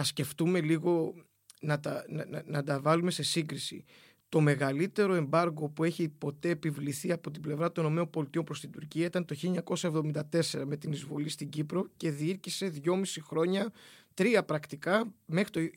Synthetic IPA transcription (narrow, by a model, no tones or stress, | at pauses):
ɐsce̞ft̪ume̞liɣo̞ | nɐt̪ɐnɐɐnɐd̪ɐvɐlume̞se̞siŋɡɾisḭ | t̪o̞me̞ɣɐlit̪e̞ɾo̞e̞mbɐɾɣo̞pue̞çipo̞t̪e̞ːpivliθiɐpo̞t̪ible̞vɾɐt̪o̞nomeo̞mbo̞lit̪iopɾo̞st̪ind̪uɾciɐit̪ɐnt̪o̞çileɲɐko̞sɐe̞vðo̞mind̪ɐt̪e̞se̞ɾɐme̞t̪inizvo̞list̪iɟipɾo̞ce̞ðiiɾcise̞ðʝo̞misixɾo̞ɲɐt̪ɾiɐpɾɐkt̪ikɐme̞xɾit̪o